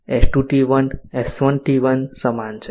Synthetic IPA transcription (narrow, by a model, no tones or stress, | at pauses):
ɛsʈuʈiʋənɛsʋənʈiʋənsəmant͡ʃʰe